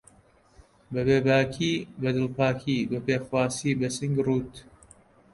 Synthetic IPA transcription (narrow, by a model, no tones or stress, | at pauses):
bɐbeːbaːkʰiːbɐd̪ɨlpaːkʰiːbɐpeːxwaːsiːbɐsɨŋɡruːt̪